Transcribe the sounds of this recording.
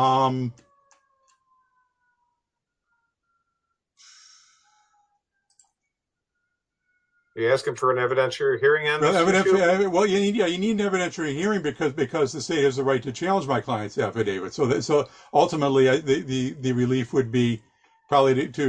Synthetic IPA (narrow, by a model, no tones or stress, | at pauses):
ʌ̃m | jɨæskɨ̃ɱfə˞ɨ̃nɛvɨɾɛ̃nsjəhiɹɪ̃ŋɨ̃ɛɛvɨɾɨ̃nɛwɛlˠjɨnijæjɨniɾⁿn̩ɛvɨɾɛ̃nsəhiɹɪ̃ŋbɨkʰʌzbɨkʰʌzðɨseɪhɨzðɨɹaɪtʰɨt͡ʃʰælˠə̃nd͡ʒmaɪkʰl̥aɪɨ̃ntsæfɨdeɪvɨd̥soʊðɨsoʊ | ʌlˠtəmətˡliaɪðɨðɨðɨɹɨlifwɨd̚bi | pʰɹ̥ɑbəbliɾɨtʰɨ